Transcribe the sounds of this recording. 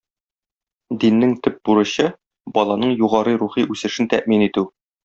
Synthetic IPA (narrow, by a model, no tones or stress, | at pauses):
d̪inːɘŋt̪ɵp̚buɾɤ̆ɕɤ | bɒlˠɑnɤɴjuʁɑɾɤjɾuχiʔʉsɘ̆ʃɘnt̪æʔminit̪ʉ